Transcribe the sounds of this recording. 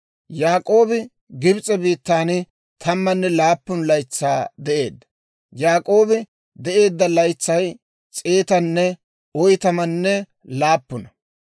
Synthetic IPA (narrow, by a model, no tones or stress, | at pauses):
jaːkʼo̞ːbɪ | ɡɪbt͡sʼɛbiːt̪ːaːn | t̪ʰɐmːɐnːɛlaːpːʊnlɐjt͡sːaːd̪ɛʔe̞ːd̪ːɐ̥ | jaːkʼo̞ːbɪ | d̪ɛʔe̞ːd̪ːɐlɐjt͡sːɐj | t͡sʼe̞ːt̪ɐnːɛ | ɔjt̪ɐmɐnːɛ | laːpːʊnɐ